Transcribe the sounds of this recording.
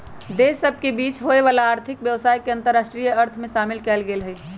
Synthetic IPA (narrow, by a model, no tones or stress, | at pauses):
d̪esəb̚ʱkebiːt͡ʃɦoeʋaːlaaːɾt̪ʰɪkʋjəʋsaːjkeə̃nt̪əɾːaːsʈɾijəəɾt̪ʰmẽʃaːmɪlkɛlɡeːlɦɛj